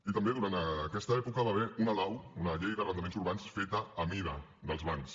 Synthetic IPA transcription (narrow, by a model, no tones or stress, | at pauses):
it̪əmbeðuɾant̪əkɛst̪əɛpukəβaβɛunəlawunəʎejðərənəmenzuɾβansfet̪əːmiðə | d̪əlˠzβans